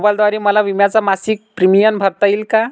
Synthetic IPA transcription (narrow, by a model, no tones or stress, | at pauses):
bald̪ʋaɾiməlaʋimjat͡samasik̚pɾimijənbʱəɾt̪ailka